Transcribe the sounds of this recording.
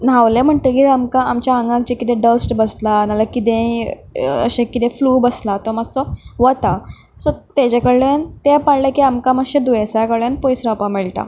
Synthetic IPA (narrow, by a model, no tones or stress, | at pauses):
naʋlem̤əɳt̪əkit̪amkãamt͡ɕjaãŋɡãk̚t͡ɕekit̪ẽɖəsʈbəslanalakit̪ẽ | ə̰ɕẽkːit̪ẽfluːbəslat̪ɔmasɔʋət̪a | sɔt̪ed͡ʑakəɽɭent̪epaɽlekiamkãmaɕẽd̪uesajakəɽẽnpɔjsɾapamiɭʈa̰